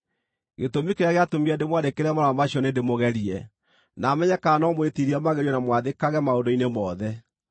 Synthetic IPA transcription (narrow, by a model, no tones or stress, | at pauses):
ɣḛtomikeɾaɣeatomiɛndemwadekeɾɛmaɾamaɕɔnendemoɣɛɾiɛ | namɛɲɛkanɔmwetiɾiɛmaɣeɾɔnamwaðekaɣɛmaondoinemɔðɛ